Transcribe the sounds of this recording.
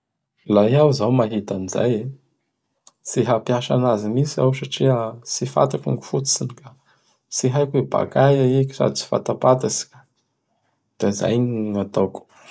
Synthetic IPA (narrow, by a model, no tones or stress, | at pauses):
lajawzawmaɦit̪aniza̰je | siɦapjaʃa̰nazimisia̰wsaʈ͡ʂiasifa̰t̪akṵŋɡu̥fut̪u̥sinika | siɦajkeba̰kajaekisa̰d̪it͡si̥fa̰t̪apat̪asi̥kḁ | d̪̥aza̰jɲat̪oku̥